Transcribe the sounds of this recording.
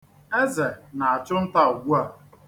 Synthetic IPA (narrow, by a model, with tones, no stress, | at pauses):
e˦ze˨na˨a˨t͡ʃʊ˦n̩˦ta˦u˨ɡʷu˦a˨